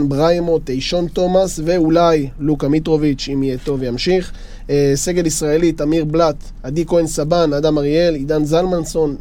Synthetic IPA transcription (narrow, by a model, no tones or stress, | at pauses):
nbʁajmo̞t̪ejʃo̞nt̪o̞masve̞ulajlukamit̪ʁo̞vit͡ʃimijet̪o̞vejamʃiχ | se̞ɡe̞lisʁae̞lit̪amiʁblat̪ | ad̪ikoensabanad̪amaʁie̞lid̪anzalmanso̞n